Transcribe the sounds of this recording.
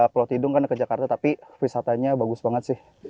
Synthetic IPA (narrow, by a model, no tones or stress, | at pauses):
plot̪idʊŋkankəd͡ʒakart̪at̪apifisat̪aɲabaɡʊsbaŋət̪sɪh